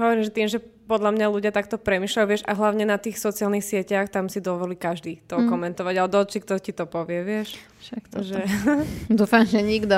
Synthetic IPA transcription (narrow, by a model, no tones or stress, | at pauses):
ɦɔʋɔɾimʒɛt̪iːmʒɛpɔd̪ʎamɲaluɟɪat̪ak̚t̪ɔpɾɛmiːʃlauʋɪɛʒa̰ɦlaʊɲɛnat̪iːxsɔt͡sialnixsɪɛcaxt̪amsid̪ɔʋɔliːkaʒd̪iːt̪ɔkɔmɛnt̪ɔʋaɟalɛd̪ɔɔt͡ʃikt̪ɔcit̪ɔpɔʋɪɛʋɪɛʃ | ʃakt̪ʒɛd̪uːfamʒɛɲiɡd̪ɔ